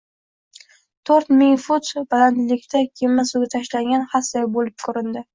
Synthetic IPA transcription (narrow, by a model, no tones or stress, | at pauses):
t̪ʰoɾt̪mɪŋfʊt̪baland̪lɪkʲt̪ʰakʲʰemːasuɡʲat̪ʰaʃlaŋɡʲanhasajbolɪp̚kʰʊɾɪnd̪ɪ